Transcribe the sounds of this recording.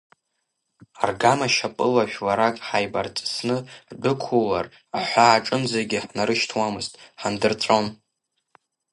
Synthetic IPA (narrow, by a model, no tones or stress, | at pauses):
arɡamaʃapʼɨlaʃᶣlaɾakʼħajbart͡sʼsnɨbʊkʷʰular | aħʷaːʈ͡ʂʼɨmzaɡʲɪħnaɾɨʃtʰwamɨztʼħandɨrt͡sʷʼon